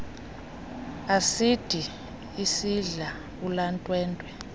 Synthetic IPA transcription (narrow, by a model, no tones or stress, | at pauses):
asid̥ʱiː | siɮa | ulantʼwɛːntʼwɛ